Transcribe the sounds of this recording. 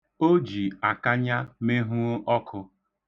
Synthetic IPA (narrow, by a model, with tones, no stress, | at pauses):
o˦d͡ʒi˨a˨ka˦ɲa˦me˦ɦu˦o˦ʔɔ˦kʰʊ˧